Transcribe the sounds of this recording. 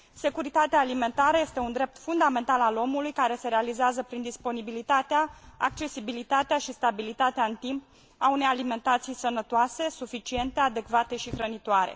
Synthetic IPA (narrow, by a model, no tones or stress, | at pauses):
se̞kuɾit̪at̪eaːlime̞nt̪aɾəjest̪e̞und̪ɾe̞p̚t̪fund̪ame̞nt̪alalo̞mulujkaɾe̞se̞ɾealizeazəpɾind̪ispo̞nibilit̪at̪eaa̰k̚t͡ʃe̞sibilit̪at̪eaʃist̪abilit̪at̪eaɨnt̪imp | aune̞jalime̞nt̪at̪sijsənət̪oase̞sufit͡ʃie̞nt̪e̞ad̪e̞kvat̪e̞ʃixɾənit̪oaɾḛ